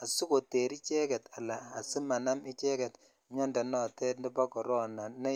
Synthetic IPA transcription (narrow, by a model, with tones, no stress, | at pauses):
a˨su˦ko˨te˨ɾi˦t͡ʃɛ˦kɛ˨ta˨laː˨si˦ma˨na˦mi˦t͡ʃɛ˦kɛ˨t | ɲɔ˦nda˨nɔ˦˨tɛ˦ndi˦pa˦kɔ˨ɾɔ˦˨na˨nɛ˦